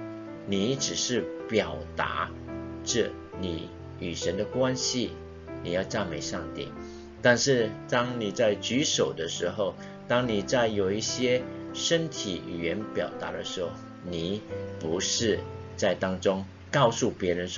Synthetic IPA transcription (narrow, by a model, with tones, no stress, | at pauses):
ni˨˩˦ʈ͡ʂɻ̩˨˩ʂɻ̩˥˩pjɑ˨˩ʊt̪a̰˧˥˦ | ʈ͡ʂɤ˥˩ | ni˨˩˦ | y˨˩ʂə˧˥nd̪ə˧kwa˥nɕi˥˨ | ni˨˩jɑ˥˧ʊt͡sa˥˩nme˨˩ɪʂɑ˥˧ŋt̪ḭ˥˨˩ | t̪a˥˧nʂɻ̩˥˩t̪ɑ˥ŋni˨˩t͡sa˥˩ɪt͡ɕy˧˥ʂo˨˩ʊd̪ə˦ʂɻ̩˧˥xo˥˩ʊ | t̪ɑ˥ŋni˨˩t͡sa˥˩ɪjo˨˩ʊi˥˩ɕjɛ˥ʂə˥nt̪ʰḭ˨˩˨ɥɛ˧˥npjɑ˨˩ʊt̪a̰˧˥ɾə˧ʂɻ̩˧˥xo˥˩ | ni˨˩˦pu˧˥ʂɻ̩˥˧ | t͡sa˥˩ɪt̪ɑ˥ŋʈ͡ʂʊ˥ŋ | kɑ˥˧ʊsu˥˩pjɛ˨˧˥ɻə˧˥nʂ